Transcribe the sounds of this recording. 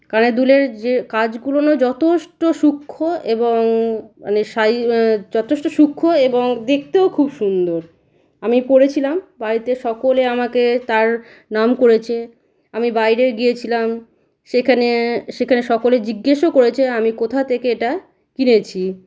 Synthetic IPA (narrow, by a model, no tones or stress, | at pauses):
kaned̪uleɾd͡ʑekad͡ʑɡulonod͡ʑɔt̪ʰeʃʈoʃukʰːoeboŋma̰neʃajd͡ʑɔt̪ʰeʃʈoʃukʰːoeboŋd̪ek̚ʰt̪eokʰubʃund̪oɾ | amipoɾet͡ɕʰilambaɾit̪eʃɔkoleamaket̪aɾ | namkoɾet͡ɕʰe | amibajɾeɾɡijet͡ɕʰilam | ʃekʰaneʃekʰaneʃɔkoled͡ʑiɡːeʃokoɾet͡ɕʰeamikot̪ʰat̪ʰekeeʈa | kinet͡ɕʰi